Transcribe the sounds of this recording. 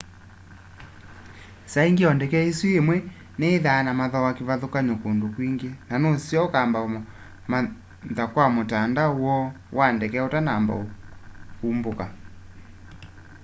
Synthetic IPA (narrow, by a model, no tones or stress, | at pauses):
saiŋɡeɔndɛkɛeswiemwɛ | neːðaːnamaðɔwakeβaðokaɲokondokwiŋɡeenanosjɔokamba | ma | ðakwamotandawɔ | wʔandɛkɛotanamba̰okumboka